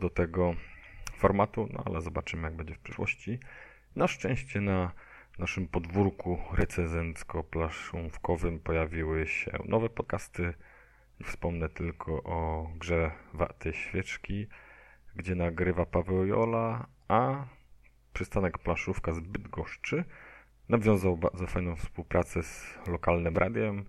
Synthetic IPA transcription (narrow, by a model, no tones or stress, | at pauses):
d̪ɔt̪ɛɡɔfɔɾmat̪unɔ̰a̰lɛzɔbat͡ʂɘmɘjaɡ̚bɛɲd͡ʑɛfpʂɛʂwɔ̰ɕt͡ɕi | naʂt͡ʂɛ̃w̃ɕt͡ɕɛna | naʂɘmpɔd̪vuɾkuɾʔɛt̪sɛzɛnt̪skɔplaʂũfkɔvɘmpɔjavʲiwɘɕɛ̰nɔvɛpɔt̪̚kast̪ɘ | fspɔmnɛt̪ɘlkʰɔʔɔɡʐɛva̰t̪ʰɛjɕfʲjɛt͡ʂkʲi | ɡd͡ʑɛnaɡɾɘvapavɛwjɔ̰la | a | pʂɨst̪anɛkplaʂufkazbɘd̪ɡɔʂt͡ʂɘ | navʲjɔ̃w̃zawba̰ɾd̪zɔfajnɔ̃w̃fspuwpɾʔat̪sɛz̥lɔkalnɘmɾʔa̰d̪ʲjɛm